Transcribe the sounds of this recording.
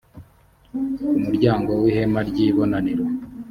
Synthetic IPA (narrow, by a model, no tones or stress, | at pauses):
umuɾɟaːŋɡo̞wihe̞maɾɟiːβo̞naniɾo